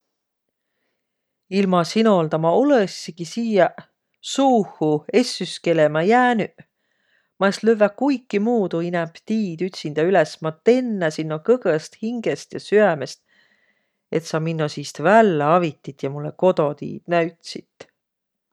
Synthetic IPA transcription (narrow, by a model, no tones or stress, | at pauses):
ilmɑsino̞lt̪ɑmɑolesːikisiːjɑ | suːhue̞sːyske̞lemɑjæːnyʔ | mɑesløvːækujkːˑimuːd̪̥uinɛmpt̪iːd̪yt̪ʲsind̪̥ɑylesmɑt̪ːˑe̞nːæsinːokɤɡəst̪hiŋɡ̥est̪jɑsyæmest̪̚ | e̞t̪sɑminːosiːst̪vælːeɑvit̪ːˑit̪jɑmulːḛko̞d̪o̞t̪ḭːd̪̥næɥt̪sit̪ːˑ